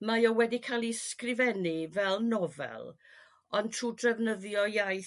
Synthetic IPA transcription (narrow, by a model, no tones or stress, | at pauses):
majɔwɛdikʰaːlˠiskrɪvɛnivɛlˠnɔvɛ̰lˠ | ɔntʰruːdrɛvnəðjɔjaj